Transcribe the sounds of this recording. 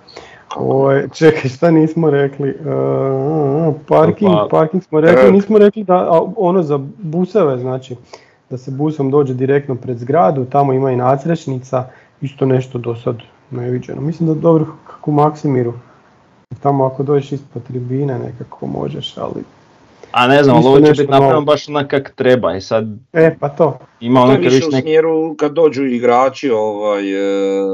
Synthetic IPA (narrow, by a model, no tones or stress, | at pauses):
o̰ʋajt͡ʃekajʃt̪aniːsmoɾe̞kli | paɾkiŋɡpaɾkiŋɡsmoɾekliniːsmoɾe̞klid̪aʔo̞nozabusoʋe̞znaːt͡ʃi | d̪̥asebusomd̪od͡ʑe̞d̪iɾe̞k̚t̪nopɾe̞d̪zɡɾaːd̪ut̪amo̞imainaːsɾet͡ʃnit̪sa | ist̪one̞ʃt̪o̞d̪o̞sad̪ | neʋid͡ʑe̞̰nʔomislimd̪ad̪o̞bɾokʰḁkumaksimiɾu | jeɾt̪amoako̞d̪o̞ːd͡ʑeʃispod̪̚t̪ɾibiːnene̞̰kakʰo̞̰mo̰ʒḛʃa̰lḭ | a̰ne̞znamalˠoʋoneʃit̪naaɾanobaʃonakakt̪ɾebaisad̪epat̪o̞ | imaonaeiʃeunemjeɾukad̪̚ːo̞ːd͡ʒuiɡɾaːt͡ʃioʋaj